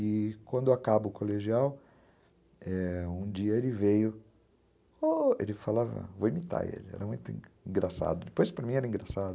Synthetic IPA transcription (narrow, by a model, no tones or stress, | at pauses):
ɪkwɐ̃nd̪ʊakabɐʊkoleʒiaw | ɛũd͡ʒiɐelɪvejʊ | oḛlɪfalavɐ̰̃voimit̪a̰ɾḛlɪɛ̰ɾɐmũj̃t̪ʊḭ̃ĩɡɾasa̰d̪ʊd̪ɪpojspɾɐmĩɛɾɐĩŋɡɾasad̪ʊ